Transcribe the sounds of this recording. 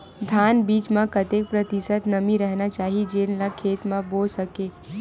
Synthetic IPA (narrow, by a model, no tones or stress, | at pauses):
d̪ʱaːnbiːt͡ʃmẽkət̪ek̚pɾət̪isət̪nəmiɾəɦnat͡ʃaːɦid͡ʒeːnlakʰeːt̪mẽboːlsəkeː